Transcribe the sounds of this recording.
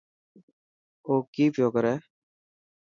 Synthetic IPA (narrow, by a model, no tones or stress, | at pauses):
oːkiːpjoːkəɾɛː